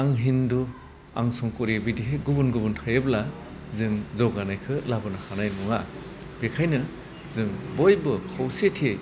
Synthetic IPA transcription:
aŋɦindu | a̰ŋsɔŋkɔɾibidiɦeɡubunɡubuntʰajɯbla | zɯŋzɔɡanajkʰɯlabɯnahʰanajmuŋa | b̥ekʰajnɯ | zɯŋbojbɯkʰɔwsetʰiej

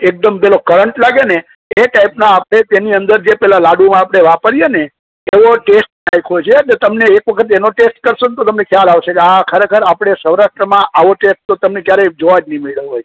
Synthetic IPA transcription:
ek̚d̪əmpɛlokəɾəɳʈlaɡene | eʈaipnãːpɽ̃et̪eniənd̪əɾd͡ʒepɛɦlalaɖumãapɽ̃eʋapəɾijeneː | ʋoʈesʈ̚najkʰɦojt͡ʃʰeʈet̪əmneːkʋəkʰət̪enoʈesʈ̚kəɾʃont̪ot̪əmnekʰjalaʋʃekeakʰəɾekʰəɾapɽ̃esəwɾaʃʈɾəmãʔaʋoʈesʈ̚t̪ot̪əmnekjaɾed͡ʒoʋad͡ʒnimeɭləɦoj

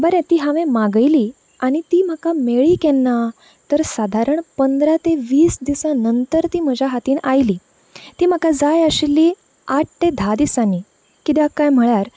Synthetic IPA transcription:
bəɾɛ̃t̪iːɦaʋẽmaɡəjliː | aɽ̃it̪iːm̤əkameɭiːkɛnːa | t̪əɾsad̪ʱaɾəɳpənd̪ɾat̪eʋiːsd̪isãnənt̪əɾt̪iːm̤əd͡ʑʱaɦat̪iːnʔajliː | t̪iːm̤əkad͡zajəɕilːi | aʈ̚ʰʈẽd̪ʱad̪isani | kit̪jakajm̤əɭaɾ

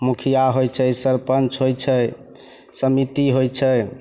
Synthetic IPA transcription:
mukʰijaɦojt͡ʃʰɛsəɾpənt͡ʃɦojt͡ʃʰɛ | səmit̪iɦojt͡ʃʰɛ

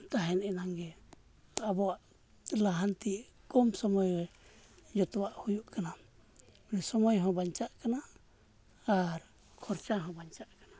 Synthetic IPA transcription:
t̪aɦɛnɛnaŋɡɛ | t̪abɔaʔ | laɦant̪i | kɔmsɔmɔjɾɛ | d͡ʒɔt̪ɔwaʔhujuʔkana | nɛsɔmɔjɦɔ̃baɲt͡ʃaʔkana | aɾ | kʰɔɾt͡ʃaɦɔ̃baɲt͡ʃaʔkḁna

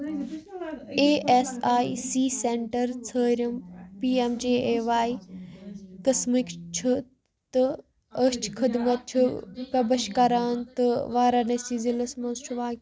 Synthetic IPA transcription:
eːʔesaːisiːseɳʈɐɾt͡sʰəːɾʲɐmpiːemd͡ʒeːeːʋaːi | kɐsmikt͡ʃʰu | t̪ɨ | əst͡ʃʰkʰid̪mɐt̪̚t͡ʃʰupɐbɐʃkɐɾaːnt̪ɨʋaːɾɐnesizilɐsmɐnst͡ʃʰuʋaːk

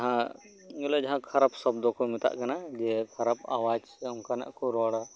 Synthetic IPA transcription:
d͡ʒɐɦã | ɡeled͡ʒɐɦãkʰɐɾapsɔb̚d̪ɔ̃komɪt̪a̰ʔkɐnad͡ʒekʰɐɾapa̰waːd͡ʒ | ɐmkanɐ̰ʔkoɾɔːɽa

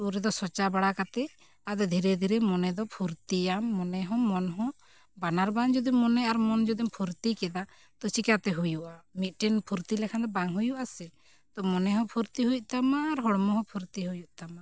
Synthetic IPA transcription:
uɾɛd̪ɔsɔt͡ʃabaɽakat̪ɛ | ad̪ɛd̪ʱiɾɛd̪ʱiɾɛmɔnɛd̪ɔpʰuɾt̪iamːɔnɛɦɔ̃mɔnɦɔ̃ | banaɾband͡ʒɔd̪imːɔnɛaɾmɔnd͡ʒɔd̪impʰuɾt̪ikɛd̪a | t̪ɔt͡ʃikat̪ɛɦujuʔamit̪̚ˀʈɛnpʰuɾt̪ilɛkʰand̪ɔbaŋɦujuʔasɛ | t̪ɔmɔnɛɦɔ̃pʰuɾt̪iɦuj̚ˀt̪amaːɾɦɔɽmɔɦɔ̃pʰuɾt̪iɦujuʔ̚t̪ama

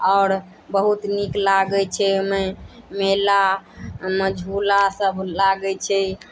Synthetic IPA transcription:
ɔːɾ | bəɦut̪niklaɡɛt͡ʃʰɛmemela | məd͡ʒʱulasəbʱlaɡɛt͡ʃʰɛ

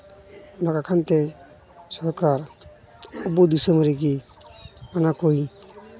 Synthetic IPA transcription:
ɔnakakʰant̪ɛ | sɔɾkaɾ | ɔbud̪isəmɾiɡi | manakoj

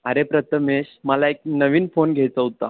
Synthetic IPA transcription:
əɾepɾət̪ʰəmeɕməlaek̚nəʋiːnfonɡʱet͡səɦut̪a̰

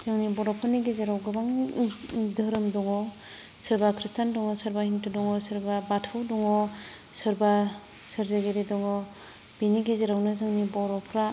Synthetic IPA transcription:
zɯŋnibɔɾɔpʰɯniɡezeɾawɡɯbaŋ | dɐɾɯmdɔŋɔ | sɯɾbakʰɾistandɔŋɔsɐɾbahintudɔŋɔsɯɾbabatʰɯwdɔŋɔ | sɯɾba | sɯɾzeɡeɾidɔŋɔ | biniɡezeɾawnɯzɯŋnibɔɾɔpʰɾa

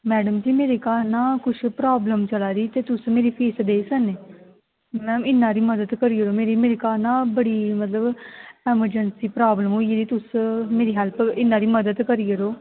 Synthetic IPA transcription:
mɛːɖəmd͡ʒiːmeːɾeːkaːɾnãːkʊʃʰpɾaːbləmt͡ʃəlaːɾiːt̪eːt̪ʊsmeːɾiːpʰeːsd̪eːsəneː | mɛ̃ːmɪnːãːɾiːməd̪əd̪kəɾiːɦəɾoːmeːɾiːmeːɾeːkaːɾnãːbəɽiːmət̪ləbɛːməɾd͡ʒənsiːpɾaːbləmɦoːieːd̪iːt̪ʊsmeːɾiːɦɛlpɪnːãːɾiːməd̪əd̪kəɾiːəɾoː

